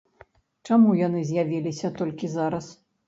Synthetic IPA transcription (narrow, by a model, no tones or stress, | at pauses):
t͡ʂamujanɨzʲjavʲilʲisʲɐt̪ɔlʲkʲizaɾɐs